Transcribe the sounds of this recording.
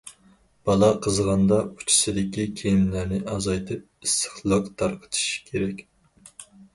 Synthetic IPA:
b̥ɑlˠɑqʰəzʁɑnd̪ɑu̥t͡ʃʰi̥sɨd̪ɪkʲikʲʰejimlæɾnɪʔɑzɑjt̪ʰɨp̚ist̪ə̥χlˠɑqt̪ʰɑɾqʰə̥t̪ʰɨ̥ʃkʲʰeɾɛkʲ

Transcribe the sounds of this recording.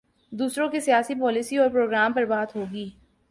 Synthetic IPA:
d̪uːsɾõkisijaːsipɔːlɪsiɔːɾpɾoːɡɾaːmpɐɾbaːt̪ɦoːɡiː

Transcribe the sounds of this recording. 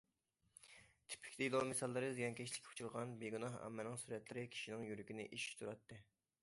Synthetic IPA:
t̪ʰɪ̥pʰɪ̥kʲt̪iilˠomesɑlˠːɨɾɨzd̪eɡʲɛnkʲʰɛʃlʲɪ̥kʲʰʊ̥t͡ʃʰulˠʁɑnbeɡunɑɦɑ̰mːɛlnɪŋsuɾɛt̪lɪɾɪkʲʰi̥ʃinɪŋjyɾykʲinɪ̰ʔiʃi̥t̪ʰuɾɑt̪ːɨ

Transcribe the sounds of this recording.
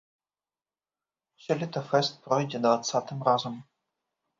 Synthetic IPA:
ʃɛlʲit̪ɐfɛst̪̚pɾɔjdʲɛd̪vat̪sat̪ɨmrazəm

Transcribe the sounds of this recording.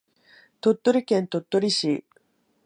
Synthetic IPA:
t̪o̞t̪ːo̞ɾʲikẽ̞nt̪o̞t̪ːoɾʲiɕi

